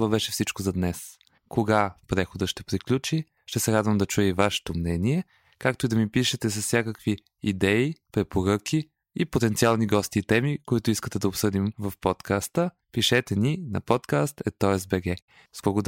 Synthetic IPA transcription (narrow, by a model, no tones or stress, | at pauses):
vəbɛʃɛfsit͡ʃkozɐd̪nɛs | koɡapɾɛxod̪əʃt̪ɛpɾiklʲut͡ʃi | ʃt̪ɛsɛɾad̪vəmd̪ɐt͡ʃujɛvaʃɛ̥t̪omnɛniɛ | kak̚t̪oid̪ɐmipiʃɛt̪ɛs̬ɐsːʲjakəkvi | id̪ɛipɾɛpoɾɤkʰʲi | ipot̪ɛnialˠniɡɔst̪iːt̪ɛmikoit̪ʊiskət̪ɛd̪ɐopsɤd̪imvɐfpɔt̪kast̪ə | piʃɛt̪ɛninɐ̰pɔt̪kast̪ɛt̪ːɔɛsbɛɡɛ | zbɐɡod̪